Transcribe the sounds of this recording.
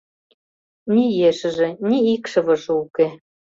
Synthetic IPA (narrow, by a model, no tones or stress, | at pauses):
nʲijeʃɘ̆ʒĕnʲiikʃɤ̆βɤ̆ʃuke